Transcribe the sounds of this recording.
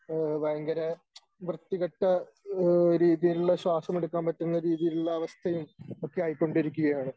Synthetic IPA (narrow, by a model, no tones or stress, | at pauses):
bɐjɐŋɡɐɾɐ | ʋrɨt̪ːiɣɐʈːɐ | ɾiːðijiluɭːɐɕwaːsɐmeɽukːaːmpɐtːunːɐɾiːðijiluɭːɐːʋɐst̪ʰɐjumo̞kːe̞aːjikːo̞ɳɖiɾukʲːuɣɐjaːɳɨ